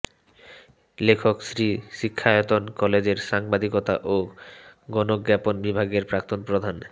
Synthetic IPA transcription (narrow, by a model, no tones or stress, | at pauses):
lekʰoksɾiʃikʰːaot̪onkɔled͡ʑeɾʃaŋbad̪ʱikot̪a̰ʔo | ɡɔnoɡːɛponbibʱaɡeɾpɾak̚t̪onpɾod̪ʱan